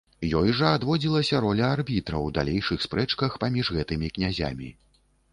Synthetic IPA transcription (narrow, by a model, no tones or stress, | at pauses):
jɔjʐɐad̪vɔd͡zʲilˠɐsʲɐɾɔlʲɐarbʲit̪ɾɐ̰wd̪a̰lʲejʂɨxspɾɛt͡ʂkɐxpamʲiʐɣɛt̪ɨmʲiknʲazʲa̰mʲḭ